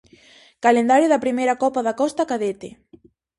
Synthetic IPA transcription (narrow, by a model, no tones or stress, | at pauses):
kalend̪aɾjʊðɐpɾimejɾɐkɔpaðakɔst̪akaðet̪e